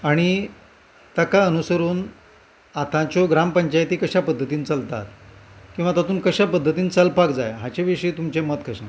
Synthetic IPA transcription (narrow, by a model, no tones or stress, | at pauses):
aɽ̃i | t̪əkaənusəɾuːn | at̪ʰãt͡ɕoɡɾampəɲt͡ɕajt̪iːkəɕapəd̪ʱːət̪iːnt͡səlt̪a̰t̪̚kĩw̃ʋat̪at̪uːnkəɕapəd̪ʱːət̪iːnt͡salpakd͡za̰jɦãt͡ɕeʋiʂəiːt̪umt͡ɕemət̪kʰəɕẽ